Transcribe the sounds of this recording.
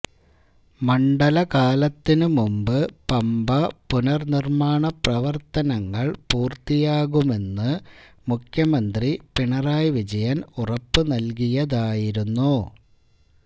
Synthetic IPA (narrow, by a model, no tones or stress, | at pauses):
mɐɳɖɐlɐkaːlɐt̪ːinɨmumbɨpɐmbɐpunɐrnirmaːɳɐprɐʋɐrt̪ɐnɐŋːɐɭpuːrt̪ijaːɣume̞nːɨ | mukʰjɐmɐnd̪ripiɳɐraːjʋid͡ʑɐjɐnurɐpːɨnɐlkijɐðaːjiɾunːu